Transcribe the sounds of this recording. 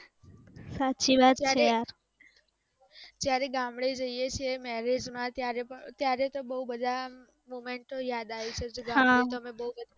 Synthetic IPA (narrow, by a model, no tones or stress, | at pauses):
satːʃʰiʋad̪aɾejaɾ | d͡ʒjaɾeɡãmɽid͡ʒəijet͡ʃʰijemɛɾed͡ʒmãt̪jaɾepət̪jaɾet̪obəɦubəd̪ʱa | momeɳʈːojad̪aʋit͡ʃʰed͡ʒeɡãɦmãit̪oəmebəɦubəd̪ʱa